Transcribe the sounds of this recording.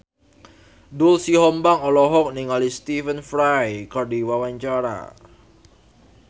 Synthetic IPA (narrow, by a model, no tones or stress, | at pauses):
dʊlsiɦɔmbaŋɔlɔɦɔk̚niŋalist̪ifənfɾajkardiwawaɲt͡ʃaɾa̰